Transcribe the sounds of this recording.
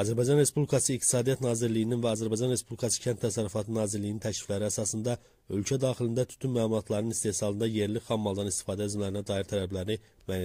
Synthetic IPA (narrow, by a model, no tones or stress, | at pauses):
ɑzæɾbɑjd͡ʒɑnɾe̞spublikʰɑsɯːk̚t̪ʰi̥sɑːd̪ijɑt̪nɑːziɾlijininvæɑzæɾbɑjd͡ʒɑnɾe̞spublikʰɑsɯ̥cʰænt̪ʰːæsæɾyfɑt̪ʰɯnɑːziɾlːijinint̪ʰæcli̥flæɾiæsɑsɯnd̪ɑ | ø̞lcʰæd̪ɑːχilind̪æt̪ʰy̥t̪ʰynmæːlˠuɑt̪ʰlˠɑɾnɯnist̪e̞hsɑlˠɯnd̪ɑje̞ɾliχɑmːɑlˠd̪ɑnist̪i̥fɑːd̪æizmlæɾinæd̪ɑːiɾt̪ʰælæblæɾini | mæjæ